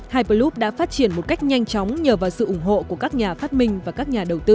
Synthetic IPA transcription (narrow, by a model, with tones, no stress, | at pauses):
haː˧jpəː˧lu˦˥p̚ɗa̰ː˧˥faː˦˥t̚t͡ɕi˧˩ənmo˨˩t̚ka˦˥jk̟̚ɲa˧jŋ̟t͡ɕɔ˨˦wŋ͡mɲəː˧˩vaː˨˩wsɨ̰˧˨ʔʊ˧˩ŋ͡mɦo̰˧˨ku˧˩əkaː˦˥k̚ɲaː˨˩faː˦˥t̚mï˧ŋ̟vaː˨˩kaː˦˥k̚ɲaː˨˩ɗə˨˩wt̪ɨ˧